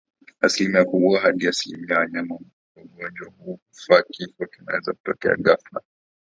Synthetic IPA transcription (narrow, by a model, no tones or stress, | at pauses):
asilimiakuuaɦaɗiasilḭmiawaɲamam | ɔuɡɔnd͡ʒwahuːkufakifɔkinawɛzaku̥tɔkɛ̰a̰ɡafla̰